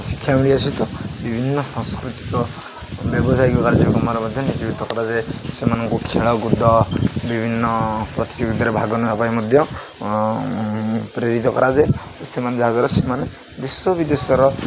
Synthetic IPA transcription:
sikʰjamiɭiasit̪ɔbibʱinːɔsaŋskɾut̪i̥kɔ | bjɔbɔsajkɔkaɾd͡ʒɔkɔmɔɾɔmɔd̪ʱjɔnid͡ʒibit̪ɔkɔɾad͡ʒesemanɔŋkukʰeɭɔɡud̪ɔbibʱinːɔpɾɔt̪i̥d͡ʒuɡid̪ɔɾebʱaɡɔnɔapajmɔd̪ʱjɔ | pɾeɾit̪ɔkɔ̰ɾad͡ʒe | semand͡ʒʱaɡɔɾɔsemane | d̪iswɔbid̪esɔɾɔ

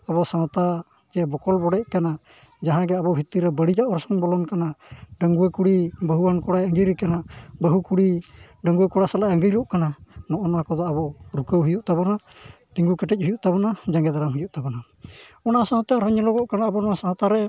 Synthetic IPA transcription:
abɔsãt̪a | d͡ʒɛbɔkɔlbɔɽɛʔ̚kana | d͡ʒaɦãɡɛabɔbʱit̪iɾɛbəɽid͡ʒaʔɔɾsɔŋbɔlɔnkanaɖəŋɡuekuɽibəɦuwankɔɽajəŋɡijɾɛkanabəɦukuɽi | ɖəŋɡuekɔɽasalajəŋɡijɾɔʔkananɔʔɔnakɔd̪ɔabɔɾukəwɦujuʔt̪abɔnat̪iŋɡukɛʈɛc̚ˀhujuʔt̪aβɔnad͡ʒaŋɡɛd̪aɾamɦujuʔt̪abɔna | ɔnasãɦt̪aɾɦɔɲɛlɔɡɔʔkanaːbɔnɔasãt̪aɾɛ

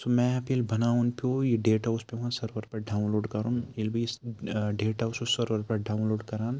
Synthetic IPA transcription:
somɛ̃ɐpelbɐnaːunpʰoːjeɖeːʈaʊspeɦãsɐɾʋɐɾpɐɾɖaːʊnloːɖkɐɾumɪlbi | ɖeːʈaʊsosɐɾʋəɾpɐɾɖaːʊnloːɖkɐɾaːn

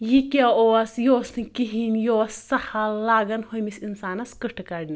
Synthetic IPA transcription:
jikʲeoːsjoːsɨkiɦinjoːsːɐhɐllːaːɡɐnhojmisinsaːnɐskɨʈʰkɐɽni

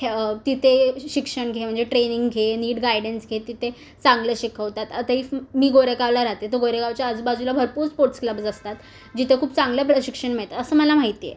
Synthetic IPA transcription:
t̪it̪ʰeɕikʂəɳɡʱem̤əɳd͡zeʈɾeniŋɡɡʱeniːɽɡajɽənsɡʱet̪it̪ʰe | t͡sãŋɡləɕikʰəʋt̪at̪at̪aɦimiːɡoɾekaʋlaɾat̪et̪əɡoɾekaʋt͡ɕjaəd͡zbad͡zulabʱəɾpuːɾspoɾʈskləbd͡zəst̪at̪ | d͡ʑit̪ʰekʰuːpt͡sãŋɡləpɾəɕikʂəɳmeɭt̪at̪əsəːməlam̤aɦit̪ijḛ

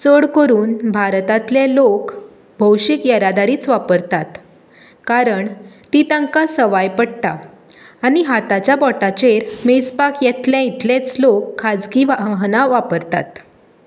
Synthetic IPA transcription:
t͡səɽkəɾuːnbʱaɾt̪at̪lelok | bʱəwɕikjəɾad̪aɾiːt͡sʋapəɾt̪at̪ | kaɾəɳt̪it̪ãŋkasəʋajpəɽt̪a̰ː | niɦat̪at͡ɕjabɔʈat͡ɕeɾmespakjɛt̪ljãit̪lẽt͡slokʰːad͡zkiʋaɦnaʋapəɾt̪a̰t̪

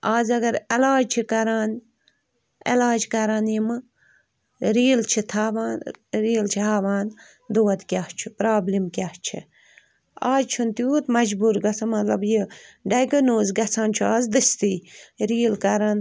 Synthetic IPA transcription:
aːzɐɡɐɾelaːd͡ʒt͡ʃʰikɐɾaːn | ḛlaːd͡ʒkɐɾaːnjimɨ | ɾiːlt͡ʃʰit̪ʰaːʋaːnɾiːlt͡ʃʰiɦaːʋaːn | d̪oːɐt̪kʲaht͡ʃʰipɾaːblimkʲaht͡ʃʰḭ | aːzt͡ʃʰunt̪juːt̪mɐd͡ʒbuɾɡɐt͡sʰɐmɐt̪lɐbjiɖɐjɡɐnoːzɡɐt͡sʰãːnt͡ʃʰiaːzd̪ɨst̪iːɾiːlkɐɾan

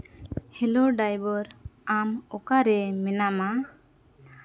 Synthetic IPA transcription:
hɛlɔɖajbɔɾamɔkaɾɛmɛnama

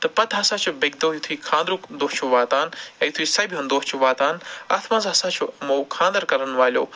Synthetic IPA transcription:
t̪ɐpɐd̪aːsãːt͡ʃʰubeɡ̚d̪oːjut̪ʰuiːkʰãːnd̪ɾuknd̪oːt͡ʃʰuʋaːt̪aːnɛjut̪ʰuiːsɐjbʱiund̪oːt͡ʃʰuʋaːt̪aːnaːt̪ʰmãːzaːsãːt͡ʃʰuɐmoːkʰãːnd̪ɐɾkɐɾənʋaːlʲjo̰ː

